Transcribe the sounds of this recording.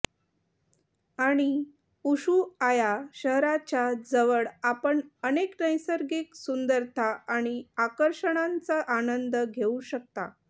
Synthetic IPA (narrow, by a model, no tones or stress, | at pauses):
aɽ̃i | uɕuajaɕəɦɾat͡ɕjad͡zəʋəɽapəɳəneknəjsəɾɡiksund̪əɾt̪ʰaaɽ̃iakəɾɕəɽ̃ant͡saʔanənd̪əɡʱeuɕək̚t̪a̰